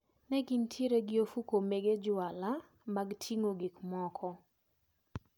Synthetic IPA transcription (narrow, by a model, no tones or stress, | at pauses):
nɛɡintʰiɾeɡɪofukomeɡed͡ʒwala | maɡtʰiŋoɡikmɔkʰɔ